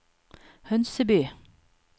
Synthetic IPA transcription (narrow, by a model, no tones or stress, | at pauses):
hœnsəbyː